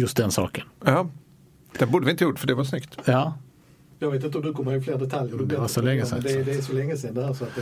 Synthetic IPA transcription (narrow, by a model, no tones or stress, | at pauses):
jɵst̪̚d̪ɛnsɑ̰ːkənjɑː | d̪̥ɛnbuːɖ̪əʋɪnt̪əjuːʈːfœɖɛvaʂnʏkt̪jɑː | jɑɡveːt̪ɪnt̪əɔmd̪ʉkʰɔmːəɾɪfleːɾd̪ɛt̪ʰaljəɾd̪ʉb̪ɛvasɔlɛŋːəsɛ̰mnd̪ɛd̪ɛæʂɔlɛŋːəsɛnd̪ɛæːɾsɔat̪